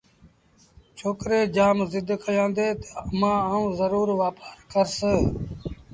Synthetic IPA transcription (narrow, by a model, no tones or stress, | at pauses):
t͡ʃʰoːkɾeːd͡ʒaːmzɪd̪ʱkəjãːnd̪eːt̪əəmãːaːũːzəɾuːɾʋaːpaːɾkəɾsəː